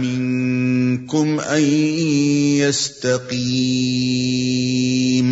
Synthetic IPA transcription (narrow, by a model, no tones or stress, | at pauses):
mɪn | kʊmʔan | jast̪aqiː | m